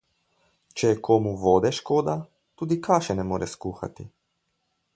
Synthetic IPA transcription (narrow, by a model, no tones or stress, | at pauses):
t͡ʃɛjɛkʰoːmuʋoːd̪ɛʃkoːd̪a | t̪uːd̪ikʰaːʃɛnɛmoːɾʔɛskuːxa̰t̪ḭ